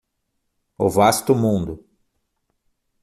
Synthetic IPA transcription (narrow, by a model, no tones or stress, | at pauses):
ʊ̰vast̪ʊmũnd̪ʊ